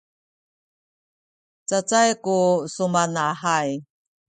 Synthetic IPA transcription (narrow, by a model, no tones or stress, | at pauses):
t͡sat͡sajkusumanahaj